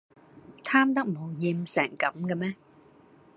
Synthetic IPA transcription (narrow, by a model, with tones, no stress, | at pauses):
t̪ʰaː˥mt̪ɐ˥k̚mo˨˧wjiː˧msɛː˨˩ŋkɐ˨˥mka˧mɛː˥